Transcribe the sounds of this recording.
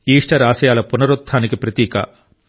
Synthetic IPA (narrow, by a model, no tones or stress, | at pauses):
iːʂʈɐɾaːsɐjaːlɐpunɐɾut̪ʰːaːnikipɾɐt̪iːkɐ̰